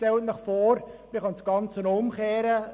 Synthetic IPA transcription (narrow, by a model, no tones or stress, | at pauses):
tɛlt̚mɛχfoːɾmɪχɑnsɡ̥ɑnt͡sənʊmkeːɾə